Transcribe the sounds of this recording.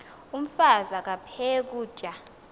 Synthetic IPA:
um̩fazak̬ʼapʰɛk̬u̥ːt͡ʃʼa

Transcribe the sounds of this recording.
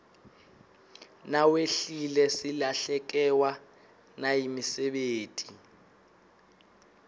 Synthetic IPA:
naweɬilɛsilaɬɛk̬ʼɛwa | najimisɛɓeːtʼi

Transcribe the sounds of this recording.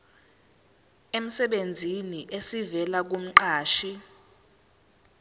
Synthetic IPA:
em̩sɛɓend͡zʱiniʔesivɛlak̬um̩ǃaːʃi

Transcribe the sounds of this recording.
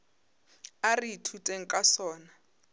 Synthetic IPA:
aritʰutʼeŋ̩kʼasɔːna

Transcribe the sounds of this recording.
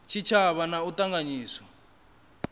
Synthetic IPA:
t͡ʃʰit͡ʃʰaβanautaŋɡaɲiːswɔ

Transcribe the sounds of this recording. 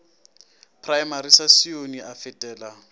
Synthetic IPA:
pʰrajmaɾisasioniʔafɪtʼɛːla

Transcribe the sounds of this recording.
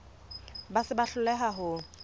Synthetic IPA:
basɪbaɬʊlɛɦaɦʊ

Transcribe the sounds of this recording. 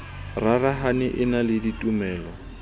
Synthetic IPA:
raraɦanɪʔɪnalɪditʼumɛːlɔ

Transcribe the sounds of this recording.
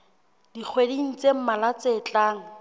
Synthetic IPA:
dik͡xʰwedin̩t͡sem̩malat͡seːt͡ɬʼaːŋ̩

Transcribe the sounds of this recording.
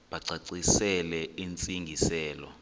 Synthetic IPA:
ɓaǀaǀisɛlɛint͡sʼiŋɡʱisɛːlɔ̰

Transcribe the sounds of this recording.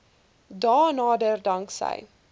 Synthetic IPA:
dɑːnɑːdərdɐŋksə̰j

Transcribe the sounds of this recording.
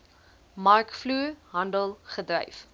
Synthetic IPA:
mɐrkfluəɦɐndəlˠχədrɛ̰jf

